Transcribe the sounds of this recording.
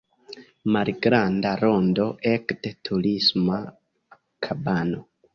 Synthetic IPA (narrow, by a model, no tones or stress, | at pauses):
malɡɾandaɾondo̞ʔekdetʰulisma | kʰabano